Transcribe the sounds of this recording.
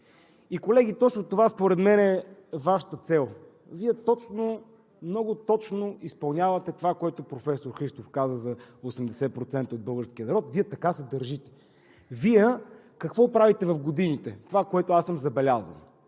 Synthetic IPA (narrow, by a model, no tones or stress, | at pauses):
ikolɛɡ̟it̪ɔt͡ʃnot̪ovaspoɾɛd̪mɛnɛvaʃə̥t̪ət̪sɛlˠ | viɛt̪ɔt͡ʃno | mnɔɡʊt̪ɔt͡ʃnoispɐlˠnʲjavɐt̪ɛt̪ovakoɛt̪opɾofɛsoɾxɾiʃt̪ofkazəzɐosɛmd̪ɛsɛpɾot̪sɛnt̪əod̪̚bɤlˠɡəɾsk̟ʲiənɐɾɔt̪viɛt̪ɐkasɛd̪əɾʒit̪ɛ̥ | viɛ | kɐkvɔpɾavit̪ɛvɐfɡod̪init̪ɛt̪ovakoɛt̪ʊasəmzɐbɛlʲazə̰lˠ